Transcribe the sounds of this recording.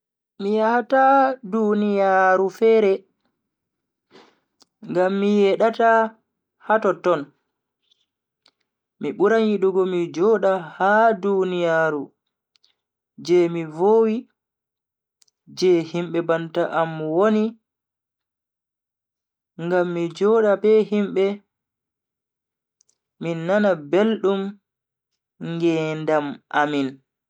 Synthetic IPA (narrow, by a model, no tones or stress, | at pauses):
mijahatadunijaɾufɛːɾɛ | ŋɡamːijɛɗata | hatɔtɔn | miɓuɾanjiɗuɡɔmid͡ʒɔːɗahadunijaɾu | d͡ʒɛmivoːwi | d͡ʒɛhimɓɛbantaʔamwoni | ŋɡamːid͡ʒɔːɗabɛɦimɓɛ | minːanabelɗum | ŋɡɛndamʔamin